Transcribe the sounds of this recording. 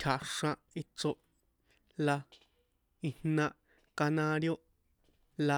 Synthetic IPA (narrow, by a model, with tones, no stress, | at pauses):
t̪ʲʰa˨ʂã˧ | i˧t͡so˧ | la˧ | i˧nnã˧ | ka˧nã˧ɾjo˦ | la˧